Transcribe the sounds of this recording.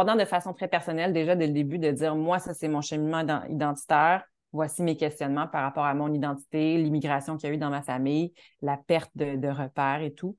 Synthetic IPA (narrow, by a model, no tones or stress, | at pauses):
ʁd̪ɑ̃d̪əfasɔ̃t̪χɛpɛʁsɔnɛld̪eʒad̪ɛld̪ebyd̪əd͡z̪ziːʁmwasasɛmɔ̃ʃəminmɑ̃ɑ̰̃ḭd̪ɑ̃t̪i̥t̪ɛːʁ | vwasimekʲɛst̪jɔnmɑ̃paʁapɑːʁamɔ̃nid̪ɑ̃t̪i̥t̪elimiɡʁasjɔ̃kʲiayd̪ɑ̃mafamij | lapɛʁt̪̚d̪əd̪əʁəpɛːʁet̪u